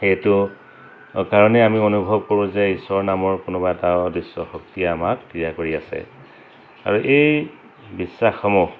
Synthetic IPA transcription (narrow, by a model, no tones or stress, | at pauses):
xetʊ | kaɹɔnɛamionubʱɔb̚koɹʊ̃zɛisɔɹnamɔɹkʊnɔbaɛtadisːɔxɔk̚tijaamak̚pɹijakoɹia̰sɛ̰ | a̰ɹuʔej | bisːaxɔmɔ